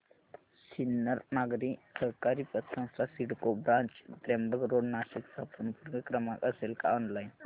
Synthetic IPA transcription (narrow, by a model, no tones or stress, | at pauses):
sinːəɾnaɡɾisəɾkaɾipət̪sə̃w̃st̪ʰasiɽkobɾãnt͡ʃd̪ɾembəɡɾoɖnaɕiksapənpuɾɡəkɾəmãkəselkaɔnlajn